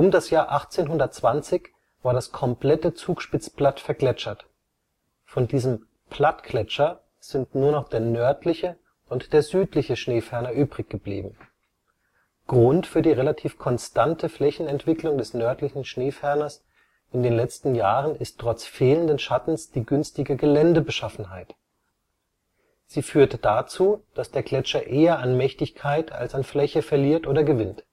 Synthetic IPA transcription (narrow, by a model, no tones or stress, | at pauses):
ʔʊmdasjaːɐʔaχt͡seːnɦʊndɐt̚t͡sv̥ant͡sɪç | v̥aːɐdaskʰɔmpl̥ɛtət͡suːkʃpɪt͡sb̥latfɛɐɡlɛt͡ʃɐt | fɔndiːzəm | pʰl̥atkʰlɛt͡ʃɐ | z̥ɪntnuːɐnɔχd̥eːɐnœɐtlɪçə | ʔʊntd̥eːɐzyːtlɪçəʃneːfɛɐnɐʔyːbʁɪçɡ̥əblḭːbm̩ | ɡ̥ʁʊntfyːɐdiːʁelatʰiːfkʰɔnstʰantʰəflɛçn̩ɛntv̥ɪklʊŋdɛsnœɐtlɪçn̩ʃneːfɛɐnɐs | ʔɪndeːnlɛt͡stn̩jaːʁənɪsttʁ̥ɔt͡sfeːləndənʃatn̩sd̥iːɡʏnstɪɡəɡəlɛndəbəʃafn̩ɦaɪt | z̥iːfyːɐtd̥at͡suːd̥asd̥eːɐɡlɛt͡ʃɐʔeːɐanmɛçtɪçkʰaɪtʰa̰lsanflɛçəfɛɐliːɐtʔoːɾɐɡəvɪnt